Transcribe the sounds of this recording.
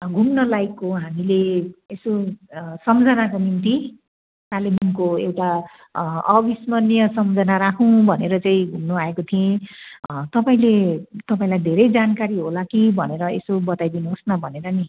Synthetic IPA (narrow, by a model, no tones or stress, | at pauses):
ɡʱumnʌlajkːoɦamileesosʌmd͡zʱʌnakonint̪i | kalemʱuŋkoewʈa | ʌbismʌnjʌsʌmd͡zʱʌnaɾakʰũbʱʌneɾʌt͡saĩɡʱumnuaekot̪ʰiẽ | t̪ʌpaĩlet̪ʌpaĩlajd̪ʱeɾʌjd͡zankaɾiɦolakibʱʌneɾʌḛsobʌt̪ajd̪inosnabʱʌneɾʌni